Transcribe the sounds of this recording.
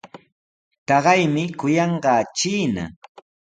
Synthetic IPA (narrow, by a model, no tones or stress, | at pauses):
t̪ɑɢɑjmɪkʊjɑɴɢɑːt͡ʃiːna̰